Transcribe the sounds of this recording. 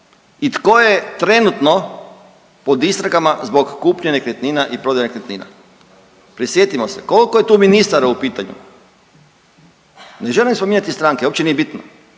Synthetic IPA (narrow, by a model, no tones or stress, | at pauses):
it̪kojet̪ɾe̞nut̪no | pod̪ist̪ɾaɡamazbo̞kːuːpɲeɲekɾʲet̪niːnaʔipɾo̞d̪jenekɾʲet̪nḭːna̰ | pɾisjet̪imoseko̞likojet̪uːminist̪aɾeupiːt̪aɲṵ | neʒelimspomiːɲat̪ist̪ɾaŋkeopt͡ɕenije̞bit̪no